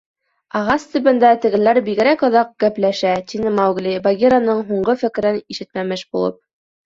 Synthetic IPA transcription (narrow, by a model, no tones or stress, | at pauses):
ɑʁɑst̪ɵ̆bɘ̆nd̪æt̪ɘ̆ɡɘ̆læɾbiɡɘ̆ɾækɤ̆ðɑq̚ɡ̥æplæʃæt̪ʲinɘmɑwɡlʲibaɡʲiɾanɤɴɦuɴɢɤfɘ̆kɘ̆ɾɘniʃɘ̆t̪mæmɘʃbulˠɤ̰p̚